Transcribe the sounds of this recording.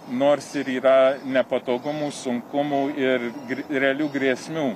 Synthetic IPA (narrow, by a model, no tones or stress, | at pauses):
noːrsɪɾiːɾɐnʲɛpɐt̪oːɡʊmuːsʊŋkʊmuːɪrɡʲɾʲɛɐlʲuːɡɾʲeɛsʲmʲuː